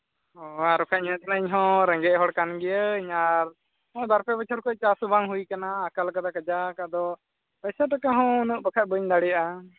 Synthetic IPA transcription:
ɔaɾɔkʰaʔɲət̪naiɲɦɔ̃ɾɛ̃ŋɡɛɦɔɽkanɡɛjəɲaɾ | ɔ̃d̪aɾpʰɛbət͡ʃʰɔɾkɔt͡ʃasubaŋɦujkanaːkalkad̪akəd͡ʒakaʔd̪ɔ | pəsaʈakaɦɔ̃unuʔ̚bəkʰat̪̚ˀbəɲd̪aɽɛjaʔa

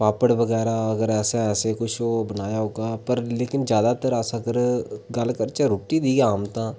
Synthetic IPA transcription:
paːpəɽbɐɡɛːɾaɐɡəɾɛːseɛːsekʊt͡ʃʰobɐnaːjaɦoːɡaːpɐɾleːkɪnd͡ʒjaːd̪at̪əɾasəɡəɾɡɐlkəɾt͡ʃeɾoːʈid̪iːɡaːmt̪ãː

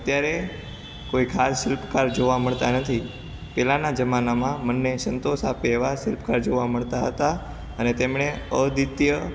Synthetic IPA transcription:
ət̪jaɾe | koikʰasʃɪlpkaɾd͡ʒoʋaməɭt̪anət̪ʰi | pɛlanad͡ʒəmanamãmənːesənt̪osapeːʋaʃɪlpkaɾd͡ʒoʋaməɭt̪aɦət̪a | ənet̪emɳ̃eəd̪ɪt̪jə

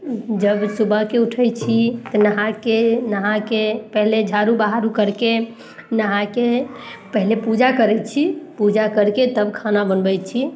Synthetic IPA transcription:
d͡ʒəbsubʱəkeuʈʰət͡ʃʰit̪ənəɦãkenəɦãkepəɦled͡ʒʱaɾubaɦaɾukəɾke | nəɦãkepəɦlepud͡ʒakəɾɛt͡ʃʰipud͡ʒakəɾket̪əbkʰanabənbəjt͡ʃʰi

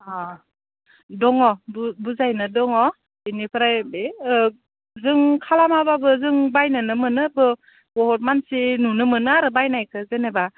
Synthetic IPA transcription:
a | dɔŋɔbbuzajnɯdɔŋɔ | inipʰɯɾajbe | zɯŋkʰalamababɯzɯŋbajnɯnɯmɯnɯabɯ | bɔɦɔt̚mansenunɯmɯnɯaɾɯbajnajkʰɯzeneba

